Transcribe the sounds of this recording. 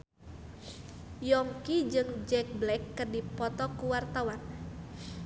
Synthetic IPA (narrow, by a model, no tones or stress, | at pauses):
jɔŋkid͡ʒɨŋd͡ʒɛk̚blɛkːɨrdipɔt̪ɔkuwart̪awan